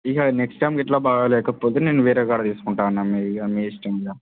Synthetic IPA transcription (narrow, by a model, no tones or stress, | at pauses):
iɦaneksʈɐjmkɛʈlaːbaːɡɐlɛːkɐpoːt̪eneːnːuʋiːɾeɡaːɽɐt̪iːsu̥kuɳʈaːɐnːaːmiameːsʈɐjmɡaː